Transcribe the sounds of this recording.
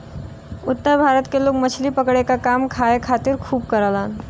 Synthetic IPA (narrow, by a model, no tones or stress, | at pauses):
ʊt̪ːəɾbʱaːɾət̪keloːɡmɐt͡ʃʰlipɐkɽekakaːmkʰaːekʰaːt̪ɪɾkʰuːb̚kəɾəlaːn